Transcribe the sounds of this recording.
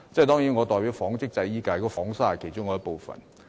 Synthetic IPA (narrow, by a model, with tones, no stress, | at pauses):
t͡sɛ˥˩jt̪ɔː˥ŋji˨˥nŋɔː˨˧t̪ɔː˨jpiː˨˥wfɔː˨˥ŋt͡sɪ˥k̚t͡sɐ˧jiː˥kaː˧jkɔ˧fɔː˨˥ŋsaː˥hɐ˨jkʰe˨˩t͡sʊ˥ŋkɔː˨˧˦ɐ˥po˨˧wfɐ̰˨n